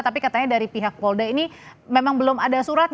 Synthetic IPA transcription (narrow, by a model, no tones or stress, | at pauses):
t̪apikat̪aɲadaɾipiɦak̚wɔldainimemaŋbəlʊmadasuɾat̪̚